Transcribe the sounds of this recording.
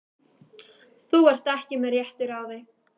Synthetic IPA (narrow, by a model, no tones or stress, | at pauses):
θuvɛr̥t̪ɛhcɪmɛɾjɛht̪ʏɾawðe